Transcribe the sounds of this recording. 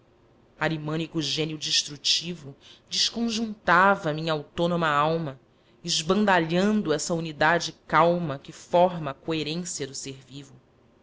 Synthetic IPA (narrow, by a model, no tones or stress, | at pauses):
aɾimõnikuʒẽniʊd͡ʒiʃt̪ɾut͡ʃivʊd͡ʒɪʃkõʒũnt̪avɐmĩɲɐawt̪õnõmɐawmɐ | ɪʒbɐ̃nd̪aʎɐ̃nd̪ʊɛsɐunid̪ad͡ʒɪkawmɐkɪfɔɾmɐkoeɾẽsiɐd̪ʊseɾvivʊ